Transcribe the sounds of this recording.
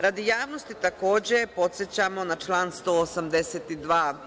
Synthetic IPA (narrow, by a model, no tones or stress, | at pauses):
ɾad̪ijaːʋno̞st̪it̪ako̞ːd͡ʑe̞po̞t̪sjet͡ɕamo̞nat͡ʃlˠaːnst̪o̞ːosamd̪eseːt̪id̪ʋaː